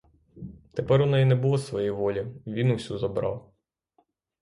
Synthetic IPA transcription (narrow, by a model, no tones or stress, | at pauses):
t̪epɛɾʊnɛjinɛbʊlˠɔsʋɔjiʋɔlʲiʋʲinuwsʲuzɔbɾɑ̰w